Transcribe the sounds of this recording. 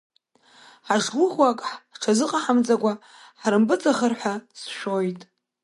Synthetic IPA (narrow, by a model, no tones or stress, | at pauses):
ħaʐɡʷʊχwakʼħʈ͡ʂʰazɨqʼaħamt͡sʼakʷa | ħɾɨmbɨt͡sʼaχərħʷasʃᶣojtʼ